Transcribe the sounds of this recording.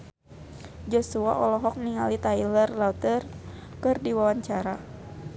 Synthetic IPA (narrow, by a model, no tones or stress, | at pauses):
d͡ʒɔsua̰ʔɔlɔɦɔk̚niŋa̰lit̪ailərlat̪ərkɨrdiwawaɲt͡ʃaɾa